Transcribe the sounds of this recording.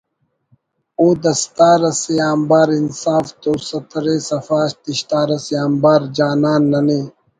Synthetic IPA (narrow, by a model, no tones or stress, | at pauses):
oːd̪ɐst̪aːɾɐsejaːmbaːɾinsaːft̪oːsɐt̪ɾeːsɐfaːɕt̪iɕt̪aːɾɐsijaːmbaːɾd͡ʑaːnaːnːɐneː